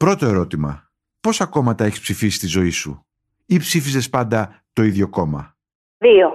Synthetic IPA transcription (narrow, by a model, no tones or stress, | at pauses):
pɾo̞t̪o̞e̞ɾo̞t̪imɐ̰ | po̞sɐko̞mɐt̪ɐe̞çi̥spsifisi̥st̪izo̞isṵ | ipsifize̞spɐnd̪ɐ | t̪o̞iðʝo̞ko̞mɐ̰ | ðio